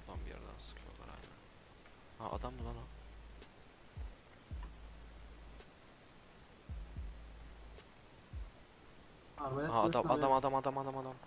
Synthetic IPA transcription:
d̪ˠanbija̰ɾd̪a̰nsɯ̥kʰɯjolˠa̰ɾha̰nɛ̰ | haʔa̰d̪ambunˠana | aad̪amaamad̪amad̪amad̪amad̪am

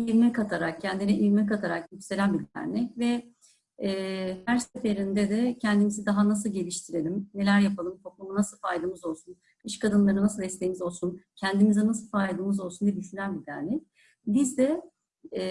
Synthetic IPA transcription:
iɾmɛkʰat̪ʰaɾak̚cʰɛnd̪inɛʔiɾmɛkat̪ʰaɾakjycse̞lʲænbiɾd̪æ̰ɾnɛcvɛː | hæɾse̞fe̞ɾind̪ɛd̪ɛcʰɛnd̪imizid̪aɦanas̬ɯlˠɟe̞lʲiʃt̪ʰiɾe̞lʲimne̞lʲæɾjapʰalˠɯmt̪ʰo̞k̚lˠumunasɯlˠfajd̪ɯmɯzo̞lˠsun | ɯʃkʰad̪ɯnlˠaɾɯnasɯlˠɛst̪ʲe̞jimizo̞lˠsuncʰænd̪imizɛnasɯlˠfajd̪ˠɯmɯzo̞lˠsuniycselʲænbiɾd̪æɾnɛc̚ | bizd̪ɛ

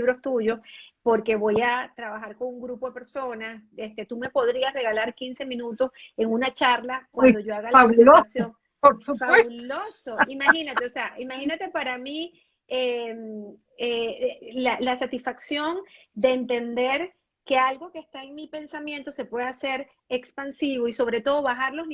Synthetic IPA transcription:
βɾo̞st̪uʝo̞spo̞ɾke̞βo̞jat̪ɾaβaxaɾko̞ŋuŋɡɾupo̞ðe̞pe̞ɾso̞nasest̪e̞t̪ume̞po̞ðɾiasre̞ɣalaɾkinse̞mĩnut̪o̞s | e̞ŋunat͡ʃaɾlakwad̪oʝo̞aɣalaaksjoŋ | oɾsufaeβulosoimaxinat̪eoseaʔimaxinat̪e̞paɾami | em | elalasat̪isfaksjo̞nd̪e̞ːnt̪e̞nd̪e̞ɾ | ke̞alɡo̞keːst̪aeŋmipe̞nsamjẽ̞nt̪o̞se̞pwe̞ðase̞ɾ | e̞kspansiβo̞iso̞βɾe̞t̪o̞ðo̞βaxaɾlo̞zn

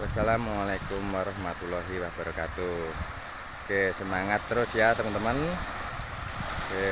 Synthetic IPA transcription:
wasalamualakumwaɾɑhmat̪ulɔɦiwahb̥a̤ɾkat̪u | kesəmaŋat̪ːəɾʊsjat̪əmənt̪əmən | ke

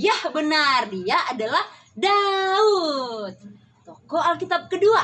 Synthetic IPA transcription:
jahbənardiaʔadalah | daut̪̚ː | okoalkit̪ab̚kədua

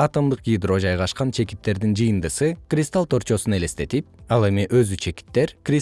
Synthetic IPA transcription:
ɑt̪omd̪ɯqɡʲid̪ro̞d͡ʒɑjʁɑʃqɑnt͡ʃʰe̞ki̥t̪ːe̞ɾd̪ind͡ʒɯjɯnd̪ɯsɯkrʲist̪alˠt̪ʰoɾt͡ʃo̞sune̞le̞st̪e̞t̪ip̚ɑlˠe̞miʔøzyt͡ʃʰe̞ki̥t̪ːe̞ɾkrʲi

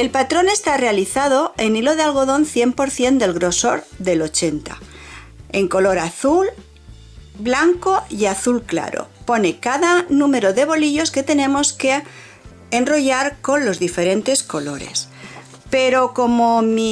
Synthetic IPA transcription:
e̞lpat̪ɾo̞ne̞st̪are̞aliθaðo̞e̞nilo̞ðealɣ̞o̞ðo̞nθje̞mpo̞ɾθje̞nd̪e̞lɣɾo̞so̞ɾðe̞lo̞t͡ʃe̞nt̪a̰ | e̞ŋko̞lo̞ɾaθul | blaŋko̞iaθulkla̰ɾo̞̰po̞ne̞kaðanũme̞ɾo̞ðe̞β̞o̞liʎo̞ske̞t̪e̞nẽ̞mo̞ske̞ː | nro̞ʝaɾko̞nlo̞zðife̞ɾe̞nt̪e̞sko̞lo̞ɾe̞̰s | pe̞ɾo̞ko̞momi

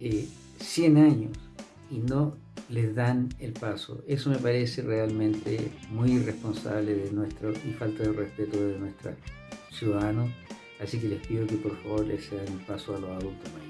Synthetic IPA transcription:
e | sjenaɲo̰s | ino | lezðanelpaso̰esomepaɾeserealmẽnt̪ḛmujirehponsa̰βleðenwet̪ɾoifalt̪aðerehpet̪oðenweht̪ɾa̰ | sjuðaðanos | asik̬elehpiðokepoɾfaβo̞ɾleseðanulpasoalosaðult̪oma

